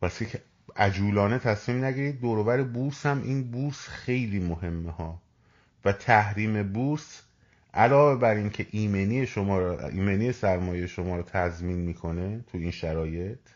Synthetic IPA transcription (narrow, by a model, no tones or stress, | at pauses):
pæsicʰe | æd͡ʒuːlɒːnet̪ʰæsmiːmnæɟiːɾiːd̪̚ːoːɾovæɾebushæmʔiːnbuːɾsxe̞jliːmoɦe̞mːehɒː | væt̪ʰæhɾiːme̞buːɾs | ʔælɒːve̞bæɾiːncʰe̞ʔiːmeniːjeʃomɒːɾḭːmeniːje̞sæɾmɒːjejeʃomɒːɾɔt̪ʰæzmiːnmiːkʰo̞ne̞t̪ʰuiːnʃæɾɒːje̞t̪ʰ